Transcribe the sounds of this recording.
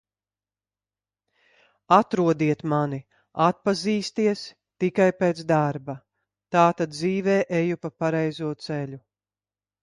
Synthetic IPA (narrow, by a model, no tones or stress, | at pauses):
at̪ɾuɔd̪iɛt̪mani | at̪̚paziːst̪iɛs | t̪ikajpɛːt̪sd̪aɾba | t̪aːt̪ad̪̚ziːvɛːʔejupapaɾɛjzuɔt̪sɛlʲu